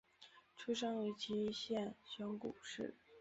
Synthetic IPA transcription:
ʈ͡ʂʰu˥ʂɑ˥ŋwe˧˥ɪt͡ɕʰi˧˥i˥ɕjɛ˥˩nɕjɔ˧˥ŋkṵ˨˩ʂɻ̩˥˩

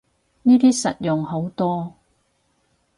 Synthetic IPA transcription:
niː˥t̪iː˥sɐ̰˨t̚jʊ˨ŋho˨˥wt̪ɔː˥

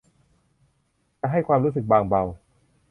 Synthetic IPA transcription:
t͡ɕa˧ʔɦa˥˩jkʰwaː˧mɾuː˦˥s̬ɯ˨˩k̚baː˧ŋba˧w

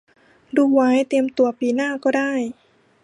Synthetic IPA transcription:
duː˧wa˦˥jt̪i˧əmt̪u˧ɐpiː˧naː˥˩kɔː˥˩daː˥˩j

